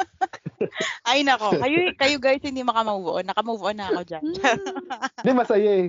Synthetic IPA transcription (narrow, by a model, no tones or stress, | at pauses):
ʔajnɐko̞kɐjokɐjoɡajshɪnd̪imɐkɐmɐuːvʊʔonːɐkɐmɐuːbʊʔonːɐːko̞d͡ʒand͡ʒa | d̪ɛmɐsɐjaɛ